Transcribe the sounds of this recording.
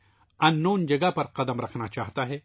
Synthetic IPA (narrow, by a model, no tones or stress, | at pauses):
ɐ̃nːoːnd͡ʒɐɡapɐɾqɐd̪əmɾɐkʰnat͡ʃaːɦt̪aɦɛː